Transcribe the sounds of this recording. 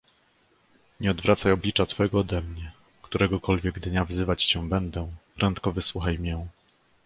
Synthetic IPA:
ɲɛɔd̪vɾat̪sajɔblʲit͡ʂat̪fɛɡɔːd̪ɛmɲɛ | kt̪uɾɛɡɔkɔlvʲjɛɡd̪ɲavzɘvat͡ɕt͡ɕɛbɛnd̪ɛpɾʔɛnt̪kɔvɘswuxajmʲjɛ

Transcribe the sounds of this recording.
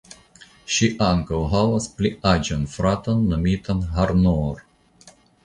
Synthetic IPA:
ʃiʔaŋkawɦavaspliad͡ʒonfɾat̪onːomit̪anhaɾnoɾ

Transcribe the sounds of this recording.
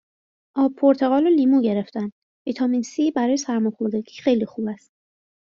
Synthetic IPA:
ʔɒːbpʰoɾt̪ʰeɣɒːluliːmuːɟe̞ɾeft̪ænd̪ | vit̪ʰɒminsibæɾɒːjesæɾmɒjxoɾd̪æɟiːxe̞jlixuːbæst̪̚

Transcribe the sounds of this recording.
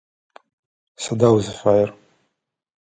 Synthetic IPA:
sadawzfajɪr

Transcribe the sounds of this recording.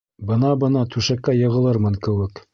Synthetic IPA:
bɤ̆nɑbɤ̆nɑt̪ʰʉʃækːæjɤ̆ʁɤ̆lˠɤɾmɤnkɘ̆wɘ̆k

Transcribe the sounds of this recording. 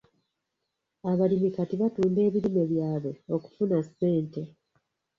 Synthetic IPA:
aβalimikatiβatuːnde̞ːβilime̞βjaːβe̞o̞ku̥funase̞ːnte

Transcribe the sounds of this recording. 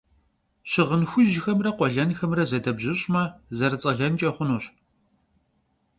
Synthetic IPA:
ɕɪʁənxʷʊʒɪxɐmrɐqʷɔɮɐnxɐmrɐzɐdɐbʑɪɕʼmɐzɐrɨt͡sʼɐɮɐnt͡ʃʼɐχʷʊnuːɕ

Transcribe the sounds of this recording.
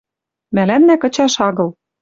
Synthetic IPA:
mælæmːækɤ̆t͡ɕɑʃɑɣɤ̆l

